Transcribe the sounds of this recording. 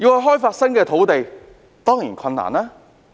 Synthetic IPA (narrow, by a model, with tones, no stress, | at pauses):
ji˧whɐ˨˧jɦɔː˥jfaː˧tsɐ˥nkɛː˧t̪ʰo˨˥wt̪e˨j | t̪ɔː˥ŋjiː˨˩nkʰɐ˧na̰ː˨˩nlɛː˥